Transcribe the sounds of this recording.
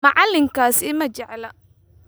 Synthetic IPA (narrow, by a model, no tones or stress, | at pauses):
ɐʕɑlːɪŋkʰaːsɪmɐt͡ʃɛʕlɐ